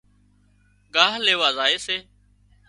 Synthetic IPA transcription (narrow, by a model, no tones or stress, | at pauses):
ɡaːɦleːʋaːzaːeːseː